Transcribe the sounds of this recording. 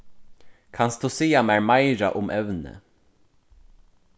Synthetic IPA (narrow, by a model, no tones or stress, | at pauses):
kʰansd̪uːsiːamæɹmaɪɾa̰ʔʊmʔɛʋnə̰